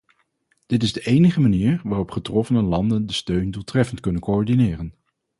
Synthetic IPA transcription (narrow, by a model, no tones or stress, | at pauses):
d̥ɪtɪzdəʔejnəχəmaniːɹʋaːrɔpχətrɔfənəlɑndəndəstøɥndulˠtrɛfəntkɵnənkoɔɹdinɪːrən